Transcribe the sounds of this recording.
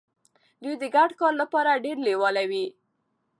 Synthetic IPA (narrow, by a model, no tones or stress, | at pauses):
d̪ujd̪əɡaɖkɑɾlapɑɾaɖeɾlewɑlawi